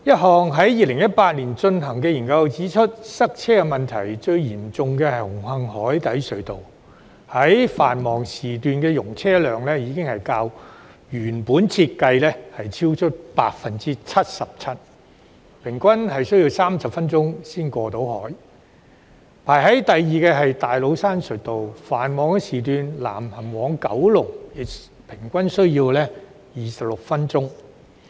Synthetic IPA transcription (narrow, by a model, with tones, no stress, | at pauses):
jɐ˥t̚ɦɔː˨˩ŋɦɐ˨˥jjiː˨˧lɪ˨˩ŋjɐ˥t̚paː˧t̚liː˨˩nt͡ʃɵ˧nɦɐ˨˩ŋkɛː˧jiː˨˩nkɐ˧wt͡siː˨˥t͡ʃʰɵ˥t̚sɐ˥k̚t͡sʰɛː˥kɛ˧mɐ˨nt̪ʰɐ˨˩jt͡sɵ˧ɥjiː˨˩mt͡sʊ˨˧ŋkɛː˧hɐ˨˩jhʊ˨˩ŋhɐ˧ŋɦɔː˨˥jt̪ɐ˨˥jsɵ˨˧ɥt̪o̰˨w | hɐ˨˥jfaː˨˩nmɔː˨˩ŋsiː˨˩t̪yː˨nkɛː˧jʊ˨˩ŋt͡sʰɛː˥lœː˨ŋlɛː˥jiː˨˧˥kɪ˥ŋhɐ˨jkaː˧w | jyː˨˩npuː˨˥nt͡sʰiː˧t̚kɐ˧jlɛː˥hɐ˨jt͡sʰiː˥wt͡ʃʰɵ˥t̚pa̰ː˧t̚fɐ˧nt͡siː˥t͡sʰɐ˥t̚sɐ˨p̚t͡sʰɐ˥t̚ | pʰɪ˨˩ŋkʷɐ˥nɦɐ˨jsɵ˥jiː˧wsaː˥msɐ˨p̚fɐ˥nt͡sʊ˥ŋsiː˥nkʷɔː˧t̪o˨˥whɔ̰ː˨˥j | pʰaː˨˩jɦɐ˨˥jt̪ɐ˨jːiː˨˩kɛː˧ɦɐ˨jt̪aː˨jlo˨˧wsaː˥nsɵ˨˩t̪o˨wfaː˨˩nmɔː˨˧ŋkɛ˧siː˨t̪̬yː˨nla̰ː˨˩mhɐ˨˩mwɔː˨˧˥ŋkɐ˨˥wlʊ˨˩k̚jɪ˨k̚ | pʰɪ˨˩ŋkʷɐ˥nsɵ˥ɥjiː˧wlɛː˥ | jiː˨sɐ˨p̚lʊ˨k̚fɐ˥nt͡sʊ˥ŋ